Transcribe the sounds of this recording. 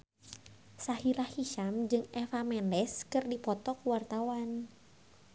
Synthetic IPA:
sahiɾahhiʃamd͡ʒɨŋɛfamɛndɛskɨrdipɔt̪ɔkuwart̪awan

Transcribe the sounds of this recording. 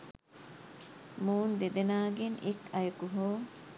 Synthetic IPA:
muːnd̪ed̪enaːɡeŋʔekɐjɐkuɦoː

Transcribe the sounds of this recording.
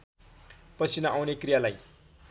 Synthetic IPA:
pʌt͡sʰinʌʔawnekrijalaj

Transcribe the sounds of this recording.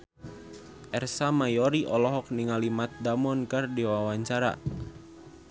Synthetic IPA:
ʔɛrsamajɔɾiʔɔlɔɦɔk̚niŋalimat̪̚damɔnkɨrdiwawaɲt͡ʃaɾa̰

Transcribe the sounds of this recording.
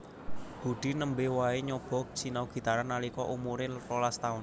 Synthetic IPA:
b̥ṳɖ̥i̤nəmbewaeɲɔb̥ɔ̤k̚t͡ʃinauɡ̥i̤t̪aɾanːalikɔʔumuɾelolast̪aʊn

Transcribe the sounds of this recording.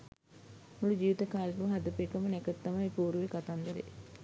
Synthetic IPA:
mulud͡ʒiːʋit̪əkaːleʈuməɦad̪əpekəmənɛkət̪ːamajpuːɾuʋekat̪and̪eɾḛ

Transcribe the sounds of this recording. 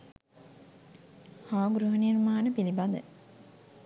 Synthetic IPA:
haːɡɾuɦənirmaːnəpilibad̪ə

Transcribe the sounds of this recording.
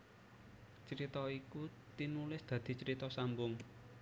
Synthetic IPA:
t͡ʃəɾit̪ɔiku | t̪inulɪsd̪̥ä̤d̪̥i̤t͡ʃəɾit̪ɔsambʊŋ

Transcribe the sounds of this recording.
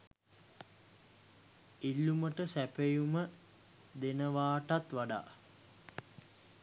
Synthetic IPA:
ilːuməʈəsæpejumə | d̪enəʋaːʈat̪ʋaɖa̰ː

